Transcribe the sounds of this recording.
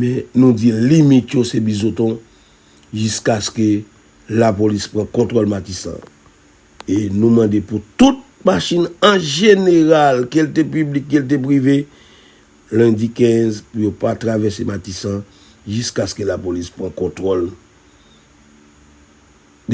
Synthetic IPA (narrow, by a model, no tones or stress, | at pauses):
mɛ̃nũd͡zilimit̪josebizot̪ɔ̃ | ʒyskaskø | lapolispʁãkɔ̃t̪ʁolmatisã̰ | enũmãdeput̪ut̪̚maʃinɐ̃ʒeneʁalkelt̪epyblikːelt̬ep̬ʁive | lɛ̃d͡zikɛ̃zpujopat̪ʁavɛsematisã | ʒyskaskelapolispʁãkɔ̃t̪ʁol